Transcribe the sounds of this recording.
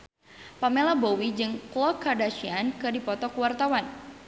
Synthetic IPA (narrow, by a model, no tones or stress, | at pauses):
pamelabowid͡ʒɨŋklɔkadaʃiankɨrdipɔt̪ɔkuwart̪awan